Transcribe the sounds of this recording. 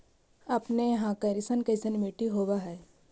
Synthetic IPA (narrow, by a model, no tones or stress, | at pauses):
apneɦãkɐɾisənkɐsənmeʈiɦoʋaɦɛ